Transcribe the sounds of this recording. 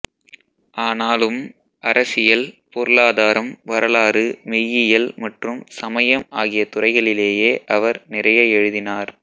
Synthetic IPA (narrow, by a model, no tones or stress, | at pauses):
ʔaːnaːlɯm | ɐɾɐsɪjɐlpoːɾɯlaːðaːɾɐmʋɐɾɐɭaːɾɯmɪjɪjɐlmɐʈrɯmsɐmɐjɐmaːɣɪjɐt̪ʊrɐɪɣɐɭɪleːjeːʔɐʋɐɾnɪrɐjɐɛɻɯðɪnaːɾ